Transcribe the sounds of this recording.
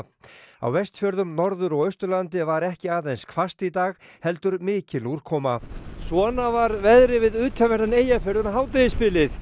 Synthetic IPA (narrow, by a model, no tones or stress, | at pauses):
a̰wvɛst̪fjœɾðʏmnɔɾðʏɾɔɣœɥst̪ʏlant̪ɪvaɾɛhcɪaːðejnskʰvast̪it̪aːɣhɛlt̪ʏɾmɪːcɪluɾ̥kʰɔːmasvɔːnavaɾvɛðɾɪvɪðʏːt̪ʰœvɛɾt̪aneːjafjœɾðʏnaɦaːwt̪̬ɪɪspɪlɪθ